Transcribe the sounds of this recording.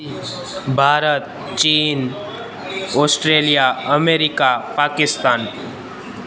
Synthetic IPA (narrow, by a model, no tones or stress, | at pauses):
bʱaːɾət̪̚ | t͡ʃiːn | oːsʈɾeːlijaəmeːɾɪkapaːkɪst̪aːn